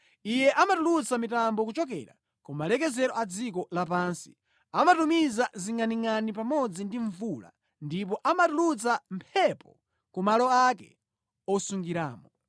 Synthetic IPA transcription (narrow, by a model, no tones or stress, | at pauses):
ijɛʔamatulut͡samitambɔkut͡ʃɔk̬ɛ̰ɾa̰ | kumalɛk̬ɛzɛɾɔad͡zikɔlapaːnsi̥ | amatumizaziŋaniŋanip̬amɔd͡zindiɱvula̰ | ndip̬ɔʔamatulut͡sampʰɛpɔ | kumalɔakɛ̰ | ɔsuŋɡiɾaːmɔ